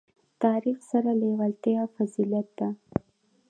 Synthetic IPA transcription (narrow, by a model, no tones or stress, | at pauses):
t̪ɑɾixsaɾalewalt̪ejɑfazilijat̪̚d̪a